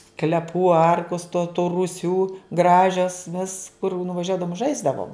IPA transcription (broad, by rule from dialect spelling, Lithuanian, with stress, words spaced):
sklʲɛˈpuː ˈɐrkʊs toː tuː rʊˈsʲuː ˈɡrɑːʒʲɛs ʋʲɪs kʊr nʊʋɐˈʒʲuɔdɐʋʊm ˈʒɐɪzdɐʋoːm